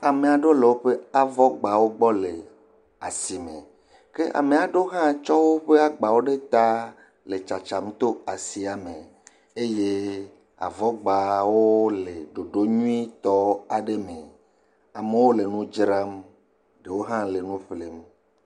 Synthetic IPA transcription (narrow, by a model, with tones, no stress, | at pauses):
a˨mẽ˨a˨ɖo˦le˨wo˦ɸe˦a˨vɔ˦ɡ͡ba˨wo˦ɡ͡bɔ˦le˨ | a̰˨si˨mḛ˨ | ke˦ʔa̰˨me˨a˨ɖo˦ɦã˦t͡ʃɔ˦wo˦ɸe˦a˦ɡ͡ba˨wo˦ɖe˦t̪a˦ | le˨t͡ʃa˨t͡ʃa˨m˦t̪o˦a˨si˨a˨me˨ | e˦je˦ | a̰˨vɔ˦ɡ͡ba˨wo˦le˨ɖo˨ɖo˦ɲũ˦i˦t̪ɔ˦a˨ɖe˦me˨ | a˨me˦wo˦le˨nũ˦d͡ʒɾa˦m | ɖe˨wo˦ɦã˦le˨nũ˦ɸle˨m